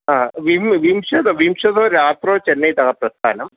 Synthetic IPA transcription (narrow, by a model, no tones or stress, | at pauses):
ɦãːʋimʋimʃɐt̪ʋimʃɐt̪oːɾjaːt̪ɾoːt͡ʃɐnːɐit̪ɐkapɾɐst̪a̰ːnɐm